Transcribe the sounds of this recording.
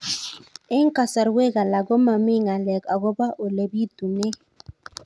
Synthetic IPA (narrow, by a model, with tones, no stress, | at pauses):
ɛ˦ŋ˦ka˨sa˨ɾwe˦ɡa˨la˨ɡo˦ma˨mɪ˦ŋa˨lɛ˨ka˨ɡɔ˦ba˦ʔo˨le˨bi˦tu˨ne˦